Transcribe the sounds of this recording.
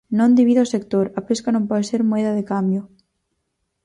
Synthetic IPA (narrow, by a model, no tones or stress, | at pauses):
nõnd̪iβiðosekt̪oɾapeskanõmpɔðeseɾmoeðaðekambjo